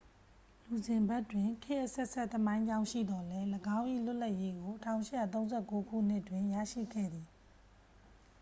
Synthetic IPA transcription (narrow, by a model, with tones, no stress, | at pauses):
lu˨zɪ̃˨mbɛ˦˨twɪ̃˨ŋkʰɪ˦˨ʔəsɛ˦ʔsɛ˦˨ʔt̪əmã˦ɪ̃ɲd͡ʑã˦ʊ̃ʃḭ˦˨d̪ɔ˨lɛ˦ləɡã˦ʊ̃ʔḭ˦˨l̥ʊ˦ʔla˦ʔje˦ɡo˨tʰã̰˦˨ʊ̃ʃɪ˦ja˨t̪̬õ˦ʊ̃zɛ˦˨ko˦ɡʰṵ˦˨n̥ɪ˦twɪ̃˨jä̰˦˨ʃḭ˦˨ɡʰɛ̰˦˨d̪i˨